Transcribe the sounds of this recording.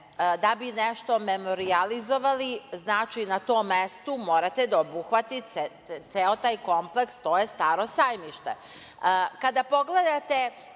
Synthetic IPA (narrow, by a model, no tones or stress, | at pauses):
d̪abineʃt̪o̞memo̞ɾializo̞ʋaliznaːt͡ʃinat̪o̞ːmːest̪umo̞ːɾat̪ed̪aobuxʋat̪i | t̪seot̪aːjko̞mple̞kst̪o̞ːjest̪aːɾosajmiʃt̪ḛ | kad̪apo̞ɡle̞d̪at̪e̞